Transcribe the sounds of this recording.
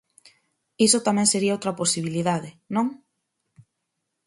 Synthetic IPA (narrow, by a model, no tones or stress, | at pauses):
isot̪amɛ̃ŋseɾiaowt̪ɾɐposiβiliðaðɪnõŋ